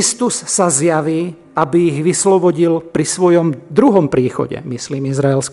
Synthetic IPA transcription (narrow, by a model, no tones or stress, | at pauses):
ist̪usːazjaʋiː | abiːɣʋislɔbɔɟilpɾisʋɔjɔmd̪ɾuɦɔmpɾiːxɔ̰ɟɛ̰misliːmizɾaɛlsk